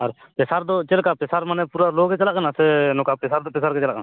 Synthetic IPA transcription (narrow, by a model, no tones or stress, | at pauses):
aɾ | pɛsaɾd̪ɔt͡ʃelkapesaɾmanɛpuɾaloɡɛt͡ʃɛlakənasɛnɔkapesaɾd̪ɔpesaɾkɛt͡ʃɛlaʔkən